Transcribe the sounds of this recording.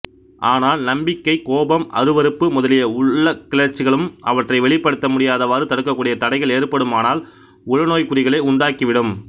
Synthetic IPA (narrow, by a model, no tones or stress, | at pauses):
ʔaːnaːlnɐmbɪkːɐɪkːoːbɐmʔɐ̰ɾɯʋɐɾɯpːɯmʊðɐlɪjɐʊɭɭːɐkːɪlɐɾt͡ʃːɪɣɐɭɯmʔɐ̰ʋɐʈrɐɪʋɛɭɪpːɐɽɯt̪ːɐmʊɽɪjaːðɐʋaːɾɯt̪ɐɽɯkːɐkːuːɽɪjɐt̪ɐɽɐɪɣɐɭeːrpɐɽɯmaːnaːl | ʊɻɐnoːjkʊɾɪɣɐɭɐɪʊɳɖaːkiʋɪɽɯm